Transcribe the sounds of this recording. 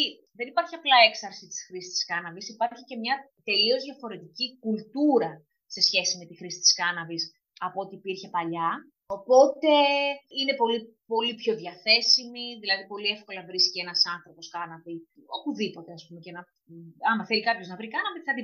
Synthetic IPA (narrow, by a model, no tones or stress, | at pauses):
i | ðenipɐɾçiɐplɐe̞ksɐɾsit̪i̥sxɾisi̥st̪i̥skɐnɐvisipɐɾçice̞mɲɐ | t̪e̞lio̞zðʝɐfo̞ɾe̞t̪icikult̪uɾɐ | se̞sçe̞sime̞t̪ixɾisi̥t̪i̥skɐnɐvis | ɐpoot̪iːpiɾçe̞pɐʎɐ | o̞po̞t̪e̞ine̞po̞li | po̞lipço̞ðʝɐθe̞simiðilɐðipo̞liefko̞lɐvɾiscenɐsɐnθɾo̞po̞skɐnɐvio̞puðipo̞t̪eɐspumecenɐ | ɐmɐθelikɐpço̞znɐvɾikɐnɐvit̪θɐt̪i